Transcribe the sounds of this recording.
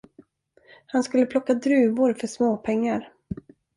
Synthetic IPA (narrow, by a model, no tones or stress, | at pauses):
hanskɵlːəpʰlɔkːad̪ɾʉ̟ːvʊɾfœʂmoːpʰɛŋːaɾ